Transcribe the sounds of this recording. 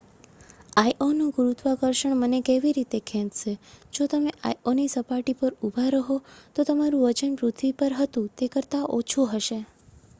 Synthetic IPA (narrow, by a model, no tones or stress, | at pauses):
ajʔonuɡuɾut̪ʋakəɾʃəɳmənekeʋiɾit̪ekʰɛ̃t̪ʃed͡ʒot̪əmeʔajonisəpaʈipəɾubʱaɾəɦot̪ot̪əmaɾũəd͡ʒənpɾut̪ʰʋipəɾɦət̪ũt̪ekəɾt̪aʔot͡ʃʰoɦəʃe